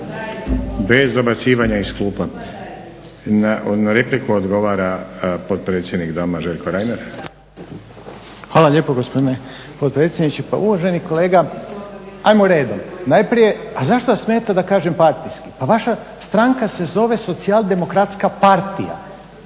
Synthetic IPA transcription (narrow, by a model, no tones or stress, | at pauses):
bezd̪obat̪siːʋaɲaisklˠuːpa | nanaɾeplikuod̪ɡo̞ʋaːɾapot̪̚pɾet̪sʲjed̪nikd̪omaʒeʎʲkoɾajnaɾ | xʋaːlˠaʎeːpoɡospo̞d̪ine | po̞t̪̚pɾet̪sʲjed̪nit͡ɕepa̰uʋaʒe̞niko̞leːɡa | ajmoɾe̞ːd̪omnajpɾije̞azaʃt̪ojasme̞ːt̪ad̪akaːʒe̞mpaɾt̪iskipaʋaʃa | st̪ɾaŋkase̞zo̞ʋe̞so̞t̪sialˠd̪e̞mo̞kɾat̪skapaɾt̪ija̰